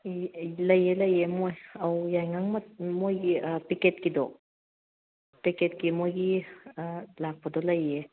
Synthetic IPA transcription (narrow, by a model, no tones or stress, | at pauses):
lɐjelɐjemojɐwjajŋaŋmamojɡipiket̚kidɔ̰ | piket̚kimojɡi | lak̚pʰadɔlɐje